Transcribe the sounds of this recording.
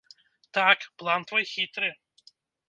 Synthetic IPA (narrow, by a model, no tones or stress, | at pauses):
t̪akplˠant̪vɐjxʲit̪ɾɨ